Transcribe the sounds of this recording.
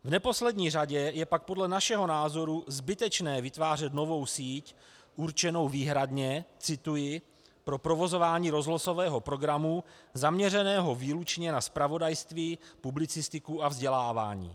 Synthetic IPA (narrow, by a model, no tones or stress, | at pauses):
vnɛpo̞slɛdɲiːraɟɛjɛpak̚po̞dlɛnaʃɛɦo̞naːzo̞ɾuzbɪt̪ɛt͡ʃnɛːvɪt̪vaːr̝ɛt̪no̞vo̞wsiːc | ʔuɾt͡ʃɛno̞wviːɦɾadɲɛt͡sɪt̪ujɪ | pɾo̞pɾo̞vo̞zo̞vaːɲiːɾo̞zloso̞vɛːɦo̞pɾo̞ɡɾamuzamɲɛrɛnɛːɦo̞viːlut͡ʃɲɛnaspɾavo̞dajst̪viːpublɪt͡sɪst̪ɪkuavzɟɛlaːva̰ːɲḭː